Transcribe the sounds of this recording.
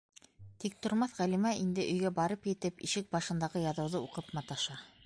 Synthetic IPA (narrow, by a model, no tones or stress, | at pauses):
t̪ik̚t̪ŏɾmɑθʁælimæʔind̪ɘʔɵ̆jɡæbɑɾɤpjɘ̆t̪ɘpiʃɘk̚bɑʃɤ̆nd̪ɑʁɤjɑðɤ̆wðɤuqɤpmɑt̪ɑʃɑ